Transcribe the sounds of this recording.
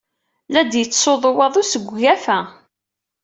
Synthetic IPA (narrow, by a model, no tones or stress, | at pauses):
læd̪jət͡sːsoðˤwɑðˤʊsəɡʷːæfæ